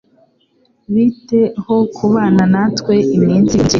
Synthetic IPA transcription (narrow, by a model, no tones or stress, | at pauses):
βite̞ho̞kʰuβaːnanatkwe̞ʔimɲiːnziɲɟe